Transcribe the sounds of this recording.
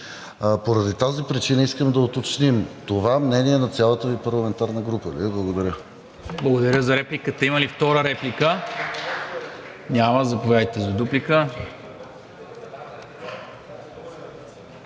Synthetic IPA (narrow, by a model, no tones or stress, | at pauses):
poɾɐd̪it̪azipɾit͡ʃinəiskəmd̪ɐot̪ot͡ʃnimt̪ovamnɛniɛnɐt̪sʲjalˠət̪əvipɐɾlˠɐmɛnt̪aɾnəɡɾupəlḭblˠɐɡod̪ɐɾʲə | blˠɡod̪ɐɾʲjəzɐɾɛplikət̪ɐiməlift̪ɔɾəɾɛplikə | nʲaməzɐpovjad̪it̪ɛzɐd̪uplikə